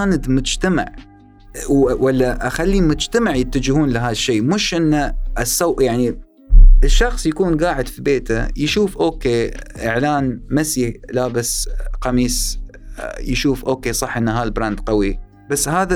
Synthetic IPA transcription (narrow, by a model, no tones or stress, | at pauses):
aːnd̪mʊd͡ʒt̪ama̰ʕ | wwalːaʔaxalːimʊd͡ʒt̪amaʕjɪt̪ːad͡ʒɪhuːnlɪɦaːðaʃːeːmʊʃʔɪnːaʔsˤːawʔjaʕni | ɪʃːɑxsˤjakuːnɡaːʕɪd̪fibeːt̪a̰jɪʃuːfʔoːkeːʔɪʕlaːnmasilabasqɑmiːs | jʃuːfʔoːkeːsˤɑħʔɪnːaɦaːlbɾaːnd̪qɑwi | basːhaːða